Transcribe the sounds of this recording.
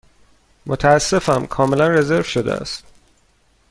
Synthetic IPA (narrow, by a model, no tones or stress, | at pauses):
mot̪ʰæːsːe̞fæmkʰɒːme̞lænreze̞ɾv̥ʃod̪ḛæ̰st̪